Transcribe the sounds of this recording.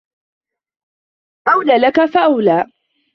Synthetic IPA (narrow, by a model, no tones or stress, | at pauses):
ʔawlaːlakafaʔawlaː